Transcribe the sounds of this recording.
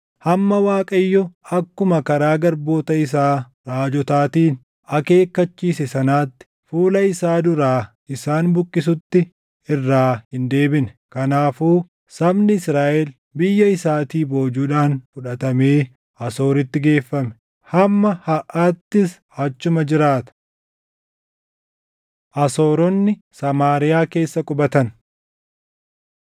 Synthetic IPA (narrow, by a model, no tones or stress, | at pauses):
hɐmːɐwaːkʼɐjːɔɐkːʊmɐkɐɾaːɡɐɾbo̞ːt̪ɐɪs̬aː | ɾaːd͡ʒɔt̪aːt̪iːn | ɐke̞ːkːɐt͡ʃːiːsɛsɐnaːt̪ːɪ̥fuːlɐɪsaːd̪ʊɾaː | ɪsaːnbʊkʼːɪsʊt̪ːɪ | ɪrːaːhɪnd̪e̞ːbɪnɛkɐnaːfuː | sɐbnɪɪsɾaːʔɛl | bɪjːɐɪsaːt̪iːbo̞ːd͡ʒuːᶑaːnfʊᶑɐt̪ɐme̞ː | ʔɐso̞ːɾɪt̪ːɪɡe̞ːfːɐmɛ̥ | hɐmːɐhɐʔaːt̪ːɪs | ɐt͡ʃːʊmɐd͡ʒɪɾaːt̪ɐ̥ | ʔɐso̞ːɾɔnːɪ | sɐmaːɾɪjaːke̞ːsːɐkʼʊbɐt̪ɐn